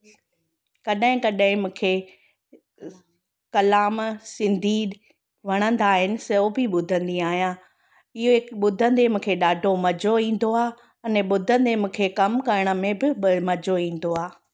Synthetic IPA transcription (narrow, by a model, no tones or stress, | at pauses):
kɐɗɦɪ̃kɐɗɦɪ̃mũːkʰe | kɐlaːmsɪ̃nd̪ʱi | ʋ̤ɐɽ̃ə̃nd̪aːɦɪnɪ̆sɐobʱiɓʊd̪ʱə̃nd̪ĩaːɦijãː | ɪɦoɪkɓʊd̪ʱə̃nd̪emũːkʰeɗaːɖʱomɐd͡ʑʱoĩːn̆d̪oaː | ɐnɛɓʊd̪ʱə̃nd̪emũːkʰekɐmkɐɾɪɽ̃ə̆mẽbɪmɐd͡ʑoĩːn̆d̪oaː